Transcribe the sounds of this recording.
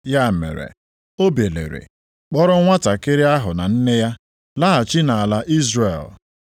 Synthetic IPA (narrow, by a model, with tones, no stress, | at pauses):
ja˦˨mḛ˨ɾḛ˨ | o˦be˨lḛ˨ɾḛ˨ | k͡pɔ˦ɾʊ˦ŋʷa˦ta˨ke˦ɾɪ˦a˦ɦʊ˨na˨n̩˦ne˦ja˦ | la˦a˨t͡ʃi˦na˨a˨la˦ʔi˦zre˨l